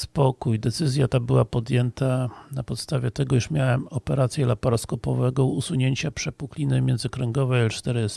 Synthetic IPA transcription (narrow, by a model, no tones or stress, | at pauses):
spɔkujd̪ɛt̪sɘzʲjat̪abɘwapɔd̪jɛnt̪anapɔt̪st̪avʲjɛt̪ɛɡɔiʂmʲjawɛmɔpɛɾat̪sʲjɛlapɔɾɔskɔpɔvɛɡɔ̃usuɲeɲt͡ɕapʂɛpuklʲinɘmʲjɛnzɘkɾɛŋɡɔvɛat͡ʂt̪ɛɾɘst̪